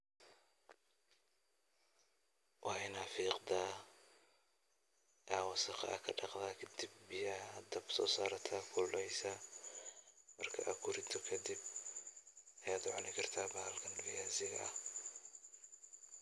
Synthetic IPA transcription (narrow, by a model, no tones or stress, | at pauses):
wʔɑħɛnaːfiːqd̪a | ʔaːwɑsɑqɑ̰ʔɐkʰɐɖɑqðaːkʰɐd̪ɪbːɪjɐd̪ɐbsɔ̰ːsaːɾɐt̪ʰaːkʰʊlɛjsa | mɐrkʰɐ̰ʔɐ̰kʰʊɾɪd̪ʰɔkʰɐd̪ib | ɐjaːd̪ʊʕɑnɪkʰɐrt̪ʰaːbaːlkʰɐnfɪjaːsɪɣɐ̰ʔɐ̰h